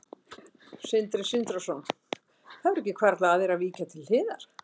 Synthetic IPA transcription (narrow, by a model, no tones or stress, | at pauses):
sɪnt̪ɾɪsɪnt̪ɾɔsɔn | θaðɾɛhcːɪkʰvɛɾt̪laːðɪɾaðviːcat̪ʰɪlhɪːða̰ɾ̥